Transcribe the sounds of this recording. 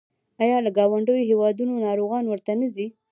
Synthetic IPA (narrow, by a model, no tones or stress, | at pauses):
ɑjɑlaɡɑwaɳɖəjoɦewɑd̪unonɑɾoɣɑnwəɾt̪anəzi